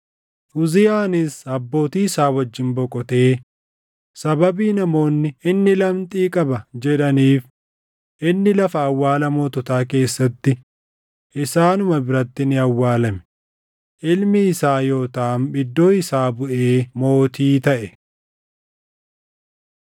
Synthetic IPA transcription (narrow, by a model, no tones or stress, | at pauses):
ʔʊzɪjaːnɪsɐbːo̞ːt̪iːɪsaːwɐd͡ʒːɪnbɔkʼɔt̪e̞ː | sɐbɐbiːnɐmo̞ːnːɪɪnːɪlɐmt̪ʼiːkʼɐbɐd͡ʒɛᶑɐniːf | ʔɪnːɪlɐfɐːwːaːlɐmoːt̪ɔt̪aːke̞ːsːɐt̪ːɪ | ʔɪsaːnʊmɐbɪɾɐt̪ːɪnɪɐwːaːlɐmɛ̥ | ʔɪlmɪːsaːjo̞ːt̪ɐːnbɪd̪ːo̞ːɪsaːbʊʔeːmo̞ːt̪iːt̪ɐʔɛ